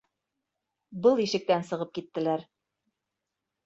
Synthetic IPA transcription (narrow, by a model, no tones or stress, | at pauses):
bɤlˠiʃɘ̆k̚t̪ænsɤ̆ʁɤp̚kit̪ːɘ̆læɾ